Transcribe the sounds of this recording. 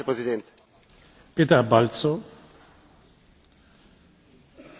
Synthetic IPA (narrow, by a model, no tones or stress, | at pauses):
pɾɨziðẽnt̪ | pet̪ɐbalt͡so